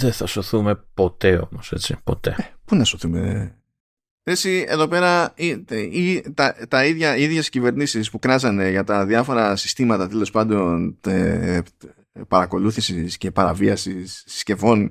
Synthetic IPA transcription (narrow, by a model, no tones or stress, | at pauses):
ðeθɐso̞θume̞po̞t̪e̞o̞̰mose̞t͡sḭpo̞t̪e̞̰epunɐso̞θume̞̰ | esie̞̰ðo̞pe̞ɾɐiit̪ɐt̪ɐiðʝɐiðʝe̞scive̞ɾnisispukɾɐzɐne̞ʝɐt̪ɐðjɐfo̞ɾɐsi̥st̪imɐt̪ɐt̪e̞lo̞spɐnd̪o̞ne | pɐɾɐko̞luθisisce̞pɐɾɐviɐsisːce̞vo̞n